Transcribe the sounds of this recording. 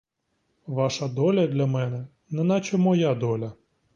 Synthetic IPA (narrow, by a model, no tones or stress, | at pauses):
ʋɑʃɐd̪ɔlʲɐd̪lʲɐmɛnɛ | nɛnat͡ʃɛmɔjad̪ɔlʲɐ